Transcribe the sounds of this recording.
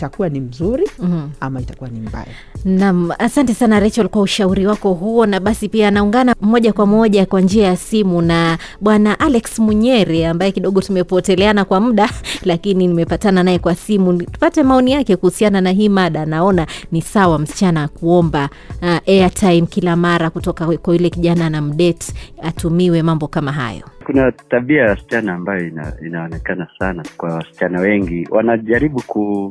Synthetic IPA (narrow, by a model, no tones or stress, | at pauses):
itakuwanim̩zuɾiamaitakuwanimba̰ja̰ | nam̩asantɛsanaɾɛt͡ʃalkuauʃauɾiwakɔɦuɔnaɓasipianauŋɡanamɔʄakwamɔʄakwand͡ʒiajasimunaɓwanaʔalɛksmuɲɛɾɛambajɛkiɗɔɠɔtumɛpɔtɛlɛanakwam̩ɗalakininimɛpatananaɛkwasimutu̥patɛmaɔnijakɛkuhusiananaɦiːmaɗaːnaɔnanisawam̩si̥t͡ʃanawakuɔmba | ʔɛatʰaimkilamaɾakutɔkakwailɛkiʄananam̩ɗɛti̥atumiwɛmambɔkamaɦa̰jɔ̰kunataɓiajaasi̥t͡ʃanaːmbajɔina̰inaɔnɛkanasanakwawasi̥t͡ʃanawɛŋɡiwʔa̰naʄaɾiɓuku